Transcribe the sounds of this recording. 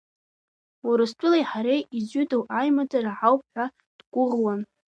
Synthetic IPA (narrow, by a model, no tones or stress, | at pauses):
wuɾɨstʼʊlajħaɾejid͡ʒʷʏdowʔajmad͡zaraʕawp̚ʰʼħʷᶣa | d̥ɡʷʊʁwan